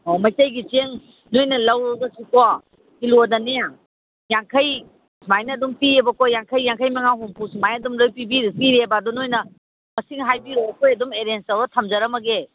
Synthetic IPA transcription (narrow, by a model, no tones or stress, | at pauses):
omɐjtajɡit͡ʃeŋ | nojnɐlɐwɾoɡɐsikɔ | iludɐneja | jaŋkʰɐj | sumajnɐːdumpiebɐkojjaŋkʰəjːaŋkʰəjmɐŋaɦuŋpusimajɐdumlojpibipiɾebadɔnojnɐ | mɐsiŋɦajbiɾojbɐkʰojɐdumeɾensɐwdɐtʰɐmzɐɾɐmɐɡe